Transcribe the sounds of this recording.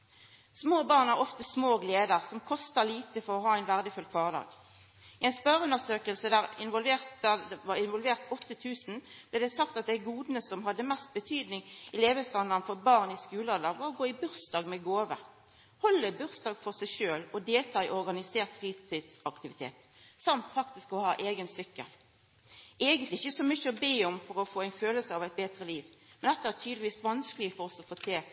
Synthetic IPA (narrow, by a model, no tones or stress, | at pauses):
smoːbɑːʁnæʁɔft̪əsmoːɡleːd̪əʁsɔmkʰɔst̪ɑliːt̪əfɔʁɔɦɑːæɪnʋæʁd̪əfʉlkʰʋɑːʁd̪ɑ̰ːɡ | ɪɛɪnspœʁʉnːəsøːkəlsəd̪æːʁɪnʋɔlʋeːt̪əʋɑɪnʋɔlʋeːʁt̪ɔt̪ːət̪ʰʉːsn̩b̥lɛd̪ɛsɑkt̪ɑt̪̚d̪æɡuːd̪nəsɔmɦɑd̪ːəmɛst̪̚bət̪ʰyːd̪nɪŋɪleːʋəst̪ɑnənəfɔʁbɑːʁniskʉːlɑd̪ɑːɡʋɑʁɔɡoːɪbʉʁsd̪ɑːɡmɛɡoːʋə̰ | hɔlːəbʉʁsd̪ɑːɡfɔʁsæɪʃøːlɔd̪eːlt̪ʰɑːɪʔɔʁɡɑnɪseːʁt̪fʁiːt̪ʰɪt̪sɑkt̪ɪʋɪt̪ʰḛːt̪ | sɑmt̪fɑkt̪ɪskɔhɑːʔeːɡənsʏkːə̰l | eɪɡənt̪lɪɪçəsɔmʏçːəɔbeːɔmfɔʁɔfoːæɪnføːləsəɑʋæɪt̪̚beːt̪ʁəliːʋmɛnd̪ɛt̪ːɑæːʁt̪ʰyːd̪lɪʋiːsʋɑnskəlɪəfɔʁɔsɔfoːt̪ʰeː